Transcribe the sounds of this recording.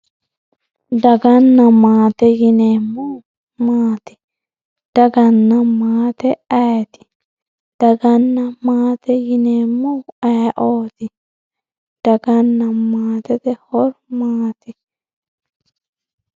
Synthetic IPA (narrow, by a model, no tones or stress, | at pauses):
d̪ɐɡɐnːɐmaːt̪ɛjɪnemːu | maːt̪ɪ̥ | d̪̥ɐɡɐnːɐmaːt̪ɛɐjt̪ɪ̥ | d̪̥ɐɡɐnːɐmaːt̪ɛjɪnemːuɐʔoːt̪ɪ | d̪̥ɐɡɐnːɐmaːt̪ɛt̪ɛhɔɾmaːt̪ɪ